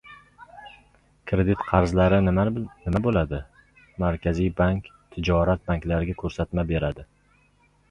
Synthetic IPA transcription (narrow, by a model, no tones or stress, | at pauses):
kʰɾe̞d̪ɪt̪qʰɑɾzlaɾɪnɪmabolad̪ɪ | maɾkʲʰazijbaŋkʲt̪ʰɪd͡ʒɒɾat̪̚baŋkʲlaɾɪɡʲakʰɵɾsat̪mabe̞ɾad̪ɪ